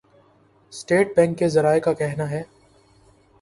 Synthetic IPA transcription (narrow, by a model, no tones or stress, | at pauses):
sʈeːʈ̚bɛ̃ːŋkːezɐɾaːekakɛɦnaɦɛː